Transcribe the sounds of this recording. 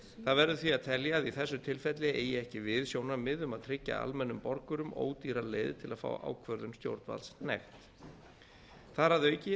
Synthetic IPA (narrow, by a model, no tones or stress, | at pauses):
θaðvɛɾðʏθviaðt̪ʰɛljaðiθɛsːʏt̪ʰɪlfɛt̪lɪejɪɛhcɪvɪðsjoːwnamɪðʏmaðt̪ʰɾɪcːa̰a̰lmɛnːʏmpɔɾkʏɾʏmo̰ːwt̪iɾalḛːjðt̪ʰɪlaðfa̰ːwʔa̰ːwkʰvœɾðʏmst̪jo̰wɾt̪va̰lsnɛ̰xt̪ | θaɾaðœːɥcɪ